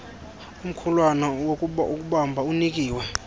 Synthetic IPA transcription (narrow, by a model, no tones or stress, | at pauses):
um̩kʰulwanawoukʼuɓambʱaunik̬ʼiːwɛ